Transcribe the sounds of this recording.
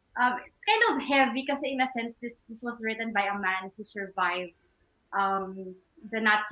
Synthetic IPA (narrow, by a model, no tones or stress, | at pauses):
ʔʌ̃mɪtskãɪnd̪ʌvhɛvikɐsɛɪ̃nəsɛ̃nsðɪsd̪ɪswʌsɹɪt̪ə̃nbajəmæ̃nhusə˞vaɪv | ʔʌm | ðɨnat̪s